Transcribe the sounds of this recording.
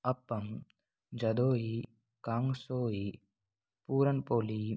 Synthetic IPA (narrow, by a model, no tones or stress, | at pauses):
ɐpːɐm | d͡ʒɐd̪oːji | kaːŋsoːji | puːɾɐnpoːli